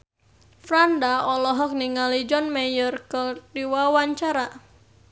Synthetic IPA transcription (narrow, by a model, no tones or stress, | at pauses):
fɾandaɔlɔɦɔk̚niŋalid͡ʒɔnmejərkədiwawaɲt͡ʃaɾa